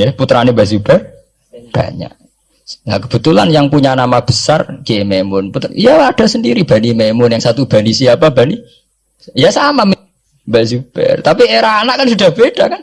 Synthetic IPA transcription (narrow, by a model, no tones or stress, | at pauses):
jɛput̪ɾanimbasub̥ɛ | b̥a̰ɲa̰ʔ | la̰kə̥b̥ə̤t̪ulanjaŋpuɲanamab̥əsarkiememʊnput̪ijaad̥a̤səndiɾib̥a̤nimemʊnjaŋsat̪ub̥a̤nisiapab̥ani | jasamam | basub̥ɛ̰rt̪apieɾaːnaʔkansud̥a̤hb̥eɖ̥akan